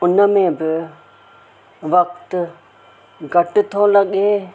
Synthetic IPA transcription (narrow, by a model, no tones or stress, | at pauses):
ʊnəmẽːbɪ | ʋɐk̚t̪ | ɡɐʈt̪ʰõːlɐɡeː